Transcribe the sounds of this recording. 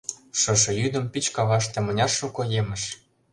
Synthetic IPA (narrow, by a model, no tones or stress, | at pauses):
ʃɤ̆ʃɤ̆jyd̪ə̆mpit͡ɕkɑβɑʃ̬t̪ĕmɤ̆nʲɑrʃukɤ̆jemə̆ʃ